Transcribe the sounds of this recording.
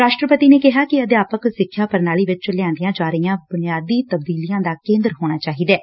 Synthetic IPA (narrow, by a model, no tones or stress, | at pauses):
ɾaːʃʈɾəpət̪iːneːkɪɦaːkɪəd̪jaːpəksɪkʰːjaːpəɾnaːɭiːʋɪt͡ʃt͡ʃəlɪjãːnd̪ijãːd͡ʒaːɾəijãːbʊnɪjaːd̪iːt̪əb̚d̪iːlijãːd̪aːkẽːnd̪əɾɦoːɽ̃aːt͡ʃaːɦiːd̪ɛː